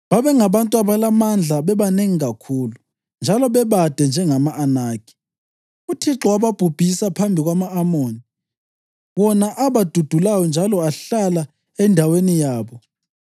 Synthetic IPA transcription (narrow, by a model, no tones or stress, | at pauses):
βaβɛŋaβantʼuaβalamand͡ɮʱaβɛβaneŋiɣakʰuːlu | nd͡ʒʱalɔβɛβad̥ʱɛnd͡ʒʱɛŋamaʔːnaːɡ̥ʱi̥ | utʰiǁɔwaβab̥ʱub̥ʱisapʰambʱiɣwamaːmoːni | βɔnaʔaβad̥ʱud̥ʱulajɔnd͡ʒʱalɔaɬala | ɛndʱawenijaːβɔ